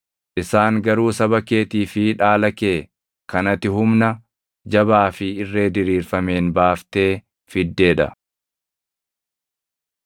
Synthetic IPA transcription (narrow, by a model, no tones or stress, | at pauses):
ʔɪsaːŋɡɐɾuːsɐβɐke̞ːt̪iːfɪᶑaːlɐke̞ː | kɐnɐt̪ːɪɦʊmnɐ | d͡ʒɐβaːfɪɪrːe̞ːd̪ɪɾiːɾfɐme̞ːnbaːft̪e̞ː | fɪd̪ːe̞ːᶑɐ̰